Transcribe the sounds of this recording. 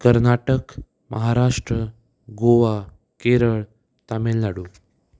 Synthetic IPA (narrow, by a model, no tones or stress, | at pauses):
kəɾnaʈək | mʔə̰ɦaɾaʂʈɾə | ɡoʋa | keɾəɭ | t̪amelːaɽu